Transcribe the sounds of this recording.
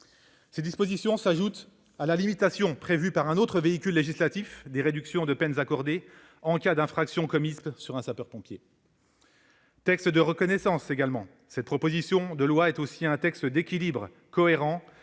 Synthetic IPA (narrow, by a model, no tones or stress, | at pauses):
sed̪ispozisjɔ̃saʒut̪ | alalimit̪asjɔ̃pχevypaʁɛ̃not̪χəveikʲylːeʒislat̪ifd̪eʁed̪yksjɔ̃d̪əpɛnzakɔʁd̪e | ɑ̃kʲad̪ɛ̃fχaksjɔ̃kɔmispsyʁɛ̃sapœʁpɔ̃pje | t̪ɛkst̪d̪əʁəkɔnɛsɑ̃seɡalmɑ̃ | sɛt̪̚pχɔpozisjɔ̃d̪əlwaɛt̪osiɛ̃t̪ɛkst̪d̪ekʲilibʁ | kɔeʁɑ̃